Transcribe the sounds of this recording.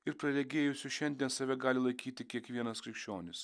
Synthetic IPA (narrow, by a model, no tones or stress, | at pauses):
ɪɾpɾɐɾʲɛɡʲeːjʊsʲʊʃʲɛnʲd̪ʲiɛnsɐʋʲɛɡɑːlʲɪlˠɐɪkʲiːt̪ʲɪkʲiɛkʋʲiɛnɐskɾʲɪkʃʲt͡ʃʲoːnʲɪs